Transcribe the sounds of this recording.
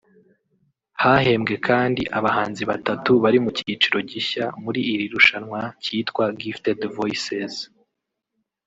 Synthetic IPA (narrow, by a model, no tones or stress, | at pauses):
hahe̞mɡe̞kʰaːndiʔaβahaːnziβatatuβaɾimucit͡ʃiɾo̞ɟiɕamuɾiːɾiɾuʃanŋwaciːtkwaɡiftedvoisez